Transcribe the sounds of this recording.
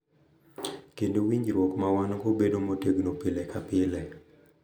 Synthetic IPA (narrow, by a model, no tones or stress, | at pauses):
kendowiɲd͡ʒɾwɔkmawanɡobedomoteɡnopɪlɛkapɪlɛ